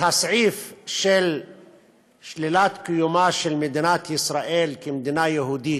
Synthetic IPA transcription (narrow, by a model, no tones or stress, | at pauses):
hasʕifʃel | ʃlilat̪kijumaʃelmed̪inat̪isɾaʔelkemd̪inajeɦud̪i